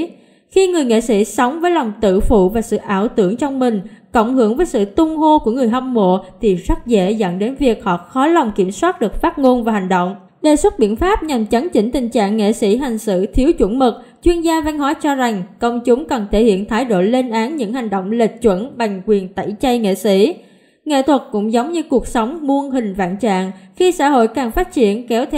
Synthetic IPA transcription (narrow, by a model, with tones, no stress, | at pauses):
xi˧ŋɨ˨˩əjŋḛ˧˨sḭ˧˥sɔ˨˦wŋ͡mvəː˨˦jlɔ˨˩wŋ͡mt̪ɨ̰˧˨fṵ˧˨vaː˨˩sɨ̰˧˨ʔaː˧˩wt̪ɨ˧˩əŋt͡ɕɔ˧wŋ͡mmï˨˩ŋ̟kə̰˧˨wŋ͡mhɨ˨˧˩əŋvəː˨˦jsɨ̰˧˨t̪ʊ˧ŋ͡mɦo˧ku˧˩əŋɨ˨˩əjɦɔ˧wŋ͡mmo̰˧˨t̪ʰi˨˩zə˦˥t̚zḛ˧˥zə̰˧˨nɗe˨˦nvi˨˩ək̚hɔ̰˧˨xɔ˨˦la˨˩wŋ͡mki˧˩əmswaː˦˥t̚ɗɨ˨˩ək̚faː˦˥t̚ŋo˧nvaː˨˩ɦa˨˩ŋ̟ɗo̰˧˨wŋ͡m | ɗeː˨˩swə˦˥t̚ɓḭ˧˨ənfaː˦˥p̚ɲa˨˩mt͡ɕə˨˦nt͡ɕï˧˩ŋ̟t̪ï˨˩ŋ̟t͡ɕa̰ː˧˨ŋːḛ˧˨sḭ˧˥ɦa˨˩jŋ̟sɨ̰˧˨t̪ʰi˨˦əwt͡ɕwə̰˧˥˩nmɨ˨˩k̚ | t͡ɕwi˧ənzaː˧va˧ŋhwaː˧˦jt͡ɕɔ˧za˨˩ŋkə˧wŋ͡mt͡ɕʊ˨˦ŋ͡mkə˨˩nt̪ʰe˧˩hḭ˧˨ənt̪ʰaː˨˦jɗo̰˧˨le˧nʔaː˨˦nɲɨ̰˧˥ŋha˨˩jŋ̟ɗo̰˧˨wŋ͡mli˨˩t̚t͡ɕwə̰˧˥nɓa˨˩jŋ̟kwi˨˩ənt̪ə̰˧˩˨jt͡ɕə˧jŋḛ˧˨sḭ˧˥ | ŋḛ˧˨t̪ʰwə˨˩t̚kʊ̰˧˥ŋ͡mzə˨˦wŋ͡mɲɨ˧ku˨˩ək̚sə˨˦wŋ͡mmu˧ənɦï˨˩ŋ̟va̰ː˧˨nt͡ɕa̰ː˧˨ŋxi˧sa̰ː˧˥ɦo̰˧˨jkaː˨˩ŋfaː˦˥t̚t͡ɕi˧˩ənkɛ˨˦wt̪ʰ